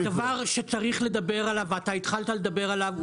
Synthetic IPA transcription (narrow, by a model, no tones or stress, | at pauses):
davaʁʃe̞t͡saʁiχle̞d̪abe̞ʁalavat̪ait̪χalt̪ale̞d̪abe̞ʁalav